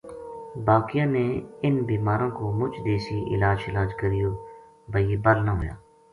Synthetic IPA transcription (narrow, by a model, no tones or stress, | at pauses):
baːkɪjãːneːɪnbiːmaːɾõːkoːmʊt͡ʃd̪eːsiʔɪ̰laːd͡ʒɪlaːd͡ʒkəɾɪjoː | bəieːbəlnaɦoːja̰ː